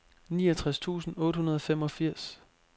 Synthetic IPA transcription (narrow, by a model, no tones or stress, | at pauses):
niːɒt͡sʰʁast͡sʰṵːsn̩ɔ̽ːd̥hunɐð̞ˠɒ̽fem̰ɒ̽fiɐ̰s